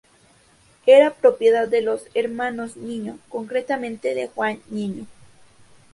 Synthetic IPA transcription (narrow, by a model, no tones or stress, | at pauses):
eɾapɾopjeðad̪ːeloseɾmanosniɲokoŋkɾet̪amẽnt̪eðexwanɲiɲo